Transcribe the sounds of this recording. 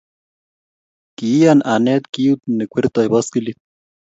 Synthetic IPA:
kijanʔanet̪kiut̪nekʷeɾt̪ajβaskilit̪̚

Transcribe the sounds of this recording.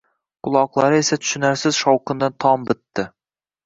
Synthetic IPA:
qʰʊlˠɑqlˠɑɾɨesɛt̪ʰy̥ʃynæɾsɪzʃɑwqɨnd̪ɨnt̪ʰɑmbɪt̪ːɪ

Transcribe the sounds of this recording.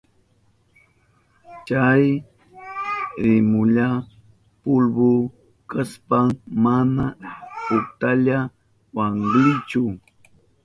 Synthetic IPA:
t͡ʃaj | ɾɪmʊʎa | pʊlbʊ | kaspaŋmanapʊt̪aʎa | waŋɢlɪt͡ʃʊ

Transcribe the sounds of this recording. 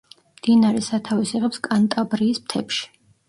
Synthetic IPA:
md̪̥inaɾɛsat̪ʰavisiʁɛpskʼant̪ʼabɾiːsmt̪ʰɛpʃi̥

